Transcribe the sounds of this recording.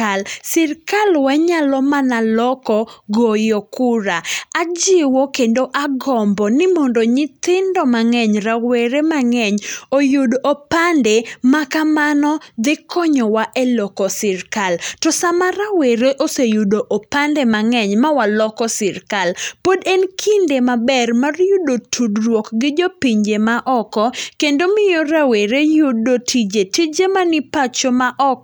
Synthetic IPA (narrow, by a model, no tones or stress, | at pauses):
alsɪrkalwaɲalɔmanalɔkɔɡojokuɾaad͡ʒɪwokendoʔaɡɔmbɔnɪmɔndoɲɪt̪ɪndɔmaŋɛɲɾaweɾemaŋɛɲojudʔopandɛmakamanɔd̪ɪkʰɔɲɔwaʔelɔkɔsɪrkaltɔsamaɾaweɾeʔosejudoʔopandɛmaŋɛɲmawalɔkɔsɪɾkalpodɛnkʰindemabɛrmarjudotʰudrwɔkɡɪd͡ʒopiɲd͡ʒemaʔɔkɔkendomɪjɔɾaweɾejudotʰid͡ʒetid͡ʒemanɪpat͡ʃomaʔɔk̚